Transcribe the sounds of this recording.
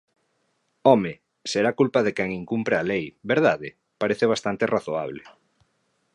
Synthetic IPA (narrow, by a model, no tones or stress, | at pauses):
ɔmɪ | seɾakulpaðekɛŋiŋkumpɾealejβeɾð̞aðɪ | paɾeθeβ̞ast̪ant̪eraθoa̰β̞le